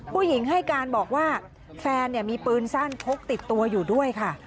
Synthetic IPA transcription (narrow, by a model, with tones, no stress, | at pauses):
pʰuː˥˩ji˩˦ŋɦa˥˩jkaː˧nbɔː˨˩k̚waː˥˩ | fɛː˧nːi˥˩əmiː˧pɯː˧nsa˥˩npʰo˦˥k̚t̪i˨˩t̪ːu˧ɐjuː˨˩du˥˩əjkʰa˥˩